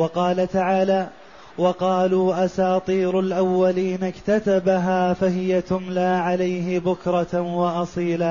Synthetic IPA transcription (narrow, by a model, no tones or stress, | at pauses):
wɑqɑːlat̪aʕaːlaː | wɑqɑːluːʔasɑːt̪ˤiːɾʊlʔawːaliːnakt̪at̪abaɦaːfaɦɪjat̪ʊmlaːʕalajɦɪbʊkɾˤɑwɑʔɑsˤiːla